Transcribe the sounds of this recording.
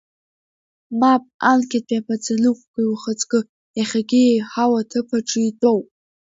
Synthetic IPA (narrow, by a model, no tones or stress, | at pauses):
mapʼankʲʰat̚ʼapʰat͡sanɨkʷʼɡʷiwχat͡sʼkʼɨ | jaχʲaɡʲɪjejħawatʰɨpʰaʈ͡ʂʼɨitʼowp̚ʼ